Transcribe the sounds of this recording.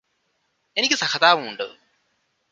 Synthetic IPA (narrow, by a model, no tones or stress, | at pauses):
enikʲːɨsɐkɐd̪aːʋumuɳɖɨ̰